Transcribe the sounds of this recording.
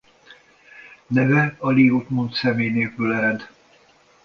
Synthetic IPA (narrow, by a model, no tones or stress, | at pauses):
nɛvɛɒliut̪munt̪sɛmeːjneːkylɛɾɛd̪